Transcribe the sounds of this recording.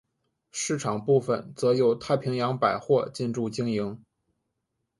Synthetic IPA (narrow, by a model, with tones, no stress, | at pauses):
ʂɻ̩˥˩ʈ͡ʂʰɑ˨˩ŋpu˥˩fə˩nt͡sɤ˧˥jo˨˩ʊt̪ʰa˥˩ɪpʰi˧˥ŋjɑ˧˥ŋpa˨˩ɪxwɔ˥˧t͡ɕi˥˧nʈ͡ʂu˥˧t͡ɕi˥ŋji˧˥ŋ